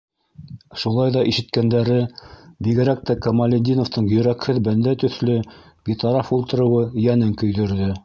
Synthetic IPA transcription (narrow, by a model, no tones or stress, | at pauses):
ʃulˠɑjðɑʔiʃɘ̆t̪kænd̪æɾɘbiɡɘ̆ɾæk̚t̪ækomalʲɪd̪ʲinoft̪ɤɴjɵ̆ɾækhɘðbænd̪æt̪ɵ̆θlɵ | ɡ̥it̪ɑɾɑfulˠt̪ɤ̆ɾɤ̆wɤjænɘŋkɵ̆jðɵ̆ɾðɘ